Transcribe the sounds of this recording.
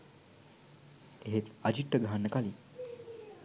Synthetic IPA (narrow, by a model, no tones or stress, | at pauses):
eɦet̪ad͡ʒiʈːəɡaɦanːəkali